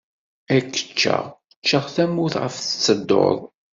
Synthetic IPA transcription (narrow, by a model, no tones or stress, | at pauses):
ækːə̥t͡ʃːa̰ʁ | t͡ʃːəʁθæmːuθʁə̰fθət͡sːəd̪ːo̰ðˤ